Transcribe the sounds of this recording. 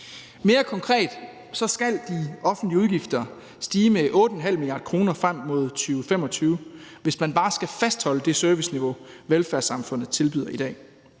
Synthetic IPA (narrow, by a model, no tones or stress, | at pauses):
me̝ːɐkʰɒ̽ŋkʰʁɛ̰ːd̥ | sɒ̽sɡ̥æld̥iɒ̽fn̩d̥liəuð̞ˠɡ̥ifd̥ɐ | sd̥iːmeʔɔ̽ːd̥əɒ̽nɦæl̰milijɑ̈ːd̥̚kʰʁo̝ːnɐfʁam̰ːo̝ð̞̰ˠt͡sʰyːʊfem̰ɒ̽t͡sʰyːʊʋe̝smænb̥ɑ̈ːsɡ̥æfæsd̥hɒ̽ləd̥e̝søɐʋisniʋo̝ʋelfæɐsɑ̈mfɔ̽n̰ð̩ˠst͡sʰe̝lbyðˠɐid̥ɛ̰ː